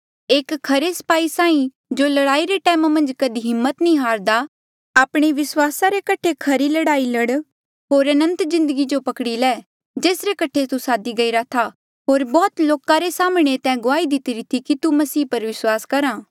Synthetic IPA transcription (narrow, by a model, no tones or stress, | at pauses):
eːkkʰːɐɾesɐ̥paːisãːĩ | d͡ʒoːlɐɽaːiɾeʈɛːmamɐ̃nd͡ʒkɐd̪iɦɪmːət̪nĩɦaːɾd̪a | aːpɽ̃eʋɪswaːsaɾekɐʈʰekʰɐɾilɐɽaːilɐɽ | ɦoːɾɐnə̃nt̪zɪ̃nd̪əɡid͡ʒopɐkɽilɛː | d͡ʒeːsɾekɐʈʰet̪usaːd̪iɡɐiɾat̪ʰa | ɦoːɾbɔːt̪loːkaɾesaːmɽ̃et̪ɛ̃ːɡʊaːid̪ɪt̪iɾit̪ʰikit̪umɐsiːpɐɾʋɪswaːskɐɾaː